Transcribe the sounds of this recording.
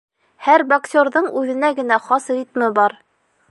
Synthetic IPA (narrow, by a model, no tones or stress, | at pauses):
hæɾbɐksʲoɾðɤɴʉðɘ̆næɡɘ̆næχɑsrʲit̪mɤbɑɾ